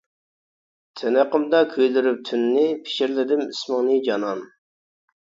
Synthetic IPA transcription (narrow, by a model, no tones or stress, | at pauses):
t̪ʰɛnəqəmd̪ɑkʲʰøjld̪yɾyp̚t̪ʰynːɪpʰɪ̥ʃiɾlɪd̪ɪmismɪŋnɨd͡ʒɑnɑn